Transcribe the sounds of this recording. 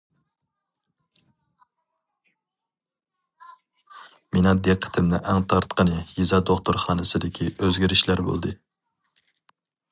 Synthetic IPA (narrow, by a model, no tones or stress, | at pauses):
menɑd̪eqʰːə̥t̪ʰɪmnɪ̰ʔɛŋt̪ʰɑɾt̪qʰənɨjizɑd̪oχt̪oɾχɑːnɨsɨd̪ɪkʲʰiøzɡʲiɾɪʃlæɾbo̰lˠd̪ɨ